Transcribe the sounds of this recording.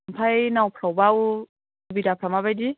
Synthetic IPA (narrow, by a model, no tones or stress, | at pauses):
mpʰajnawpʰɾawbaw | bidapʰɾamabajdi